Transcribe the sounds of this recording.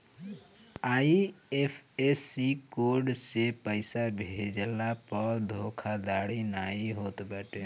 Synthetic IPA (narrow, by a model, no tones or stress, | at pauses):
aːiepʰesikoɾɖsepəɪsabʱed͡ʒlapəɾd̪ʱokʰad̪aːɽinaiɦoːt̪bəʈe